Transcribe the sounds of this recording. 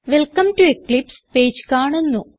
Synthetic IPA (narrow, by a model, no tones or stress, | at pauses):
ʋelkɐmʈueklipspeːd͡ʑkaːɳunːu